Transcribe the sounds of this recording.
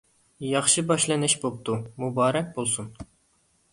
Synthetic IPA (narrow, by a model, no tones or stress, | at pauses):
jɑχʃɨbɑʃlˠɨnɪʃbop̚t̪ʰumubɑːɾɛk̚ʲbolˠsun